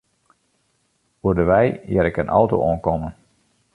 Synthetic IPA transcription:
uədəʋɛjjɪɾɪkənʔɔwto̰ʔoənkɔmən

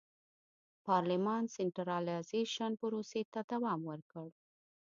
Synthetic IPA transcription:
pɑɾlɪmɑnsɪnʈɾɑlazeʃanpəɾoset̪ad̪awɑmwəɾkəɽ

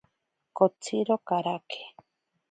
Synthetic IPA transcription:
kot͡sʰiɾokaɾake̥

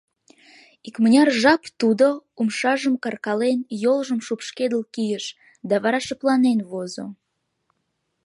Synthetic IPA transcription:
ikmənʲɑrʒɑpt̪ud̪oumʃɑʒəmkɑrkɑlenjolʒəmʃupʃked̪əlkijəʃ | d̪ɑβɑɾɑʃəplɑnenβozo̰

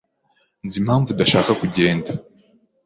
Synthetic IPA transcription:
nzimhaːɱvudaʃaːkakuɟeːnda

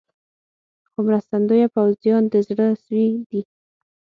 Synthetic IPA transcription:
xomɾast̪and̪ojapawzjɑnd̪əzɽəswid̪i

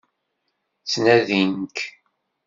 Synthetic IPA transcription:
t͡sːnæðinək

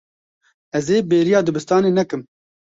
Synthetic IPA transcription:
ɛzeːbeːɾijaːd̪ɨbɨst̪ɑːneːnɛkɨm

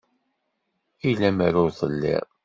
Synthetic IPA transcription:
ilæmæɾʊɾðˤəlːɪ̰ʁ

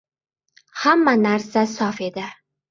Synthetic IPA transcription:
hamːanaɾsasɒfe̞d̪ɪ

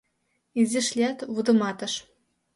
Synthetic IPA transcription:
izʲɘ̆ʃlʲæt̪βud̪ɤ̆mɑt̪ɤ̆ʃ

